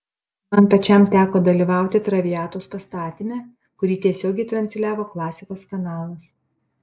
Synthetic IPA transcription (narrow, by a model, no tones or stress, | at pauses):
mɐnpɐt͡ʃʲɛmt̪ʲæːkoːd̪ɐlʲiːʋɑˑʊt̪ʲɪt̪ɾɐʋʲɪæːt̪oːspɐst̪ɑːt̪ʲɪmʲɛː | kʊɾʲiːt̪ʲiɛsʲoːɡʲɛɪt̪ɾɐnʲsʲlʲæːʋoːklˠɑːsʲɪkoːskɐnɑːlˠɐs